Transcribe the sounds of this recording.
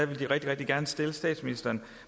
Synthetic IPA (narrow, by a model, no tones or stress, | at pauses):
æʋe̝ld̥iʁɛɡ̥d̥iʁɛɡ̥d̥iɡ̥æɐnəsd̥eləsd̥ɛ̰ːd̥sminisd̥ɐn